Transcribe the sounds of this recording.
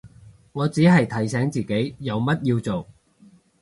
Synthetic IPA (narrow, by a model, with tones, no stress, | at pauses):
ŋɔː˨˧t͡siː˨˥ɦɐ˨jt̪ʰɐ˨˩jsɛː˨˥ŋt͡siː˨˩ke˨˥jjɐ˨˧wmɐ˥t̚jiː˧wt͡so˨˩w